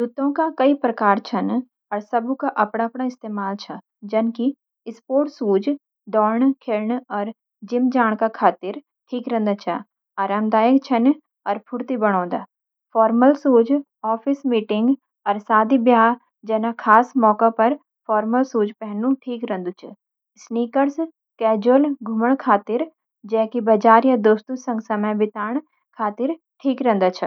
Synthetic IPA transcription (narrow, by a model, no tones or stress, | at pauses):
d̪ʊt̪ːõkakɐipɾɐkaːɾt͡ʃʰɐn | ɔːɾsɐbukaʔɐpɽ̃aɐpɽaɪst̪eːmaːlt͡ʃʰɐ | d͡ʒɐnki | ɪspoːɾʈsuːd͡ʒ | d̪ɔːɾɳkʰeɾɳɔːɾ | d͡ʒɪmd͡ʒaːɽ̃kakʰaːt̪ɪɾ | ʈʰiːkɾɐ̃nd̪at͡ʃʰa | aːɾaːmd̪aːjəkt͡ʃʰɐn | ɔːɾpʰʊɾt̪ibɐɽ̃ɔ̃ːd̪a̰ː | pfʰɔːɾməlsuːd͡ʒ | ɔːfʰɪsmiːʈɪŋɡ | ɐɾsaːd̪ʱibjaːɦ | d͡ʒɐnakʰaːsmɔːkapɐɾ | fɔːɾməlsuːd͡ʒpɛɦɛnũʈʰiːkɾɐ̃nd̪ut͡ʃʰ | sniːkəɽs | kɛːd͡ʒəlɡʱʊməɽ̃kʰaːt̪ɪɾ | d͡ʒɛɦkibɐd͡ʒaːɾjad̪oːst̪ũsɐ̃ŋɡsɐməjbɪt̪aːɳ̃ | kʰaːt̪ɪɾ | ʈʰiːkɾɐ̃ɛ̃ːnd̪aːt͡ʃʰɐ